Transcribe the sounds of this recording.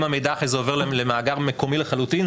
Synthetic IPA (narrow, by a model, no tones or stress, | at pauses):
mamejd̪aːχezeove̞ʁlelemaːɡaʁmeko̞mileχalutin